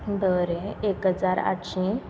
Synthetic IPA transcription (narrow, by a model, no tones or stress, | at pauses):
d̪əɾẽekɦəd͡zaɾa̰ɕĩ